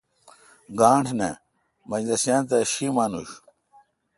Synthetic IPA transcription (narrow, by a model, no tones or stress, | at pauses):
ɡaːɳʈʰnɐ | mɐd͡ʑd̪ɐsjaːnt̪ɐɕimaːnuɕ